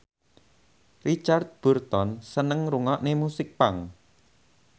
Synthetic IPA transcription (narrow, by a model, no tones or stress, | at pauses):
rit͡ʃart̪̚b̥ṳrt̪ɔnsənəŋɾuŋɔʔnemusɪk̚paŋ